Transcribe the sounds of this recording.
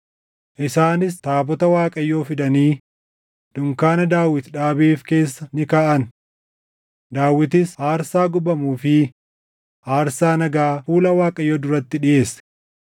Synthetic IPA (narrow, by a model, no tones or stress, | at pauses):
ʔɪsaːnɪs̬t̪aːbɔt̪ɐwaːkʼɐjːo̞ːfɪd̪ɐniː | d̪̥ʊŋkaːnɐd̪aːwɪt̪ᶑaːbeːfke̞ːsːɐnɪkaːʔɐn | d̪aːwːɪt̪ɪshaːɾsaːɡʊbɐmuːfɪ | haːɾsaːnɐɡaːfuːlɐwaːkʼɐjːoːd̪ʊɾɐt̪ːɪᶑɪʔe̞ːs